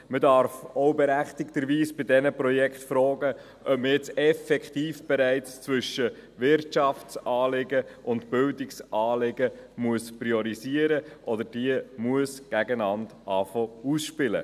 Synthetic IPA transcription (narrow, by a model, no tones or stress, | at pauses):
mədɑɾfɔʊbɛɾæχt̪ɪktəɾʋiːsb̥ɪdɛnəprɔjɛkχtfɾɔːɡə | ʔœp̚məjɛt͡sɛfɛkχt̪iːfb̥ɛɾæɪt͡st͡sʋʏʃə | ʋɪɾtt͡ʃɑft͡sʔɑːlɪɡəʔʊntbɪldɪksʔɑːlɪɡəmuəspɾiɔɾiziːəɾəʔɔdəd̥iəmuəsɡ̥æɡənɑndʔɑfɔusʃpɪlə̰